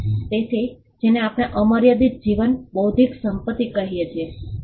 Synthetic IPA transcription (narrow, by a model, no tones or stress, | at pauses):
t̪et̪ʰi | d͡ʒeneapɽ̃eʔəməɾjəd̪it̪̚d͡ʒiʋənbəwd̪ʱiksəmpət̪ːikəɦijet͡ʃʰie